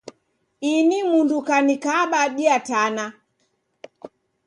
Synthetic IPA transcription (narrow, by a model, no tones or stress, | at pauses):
inimundukanikaɓaɗiatana